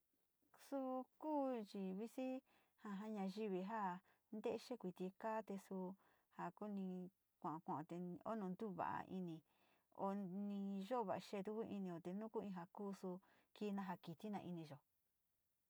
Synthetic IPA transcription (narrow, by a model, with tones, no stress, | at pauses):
su˧kuː˦t͡ʃi˧βi˦si˦ | ha˧ɦa˦ɲã˧ʒi˦βi˧ɦa˦ | nd̪e˦ʃe˦kʷi˨˧t̪i˧kaː˦t̪e˧su˧ | ha˧˨ku˦nĩ˧ | kʷã˨˧kʷã˨ʔt̪e˧o̰˦nũ˧nd̪u˦βa̰˨ʔa̰˧ʔḭ˧nĩ˧ | o̰˧nĩ˧ʒo˦˧βa˨a˧ʃe˧˦˧t̪u˧ku˦˧ʔḭ˧nĩ˧o˧t̪e˧nũ˦ku˦ĩ˧ɦa˧kuː˦˧su˧ | ki˧˦˧nã˧ɦa˧ki˨t̪i˦nã˧ʔi˧nĩ˧ʒo˨